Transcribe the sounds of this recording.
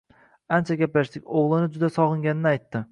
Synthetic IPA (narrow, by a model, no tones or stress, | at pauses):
ant͡ʃʰaɡʲaplaʃt̪ɪkʲoʁlˠɪnɪd͡ʒʊd̪asɒʁɨŋɡʲanɪnɪajt̪ːɪ